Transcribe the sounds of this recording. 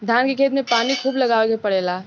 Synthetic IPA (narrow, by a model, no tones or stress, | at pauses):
d̪ʱjaːnkekʰeːt̪mepaːnikʰuːbləɡaːʋekepəɽeːla